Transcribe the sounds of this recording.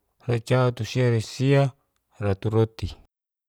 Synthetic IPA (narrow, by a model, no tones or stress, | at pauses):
rat͡ʃaat̪usiaɾesia | rat̪uɾot̪i